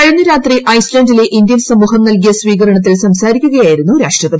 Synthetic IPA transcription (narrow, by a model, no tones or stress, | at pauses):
ɐɻɐnːuɾaːt̪riʔɐjslɐɳdile̞ʔind̪jɐnsɐmuːɦɐmnɐlk̬ijɐsʋiːɣɐɾɐɳɐt̪̬ːilsɐmsaːɾikʲːuɣɐjaːjiɾunːuɾaːʂʈrɐpɐd̪i